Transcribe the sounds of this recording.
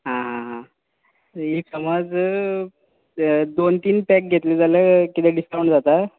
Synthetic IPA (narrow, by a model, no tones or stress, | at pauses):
ɦãɦãɦã | ɦisəməd͡z | d̪ont̪iːnpɛk̚ɡʱet̪lid͡zaljakit̪ɛɖiskawɳʈd͡zat̪a